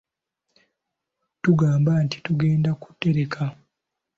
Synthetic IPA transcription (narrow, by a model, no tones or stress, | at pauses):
tuɡaːmbanti̥tuɡe̞ːndaku̥tːe̞ɾe̞kʰa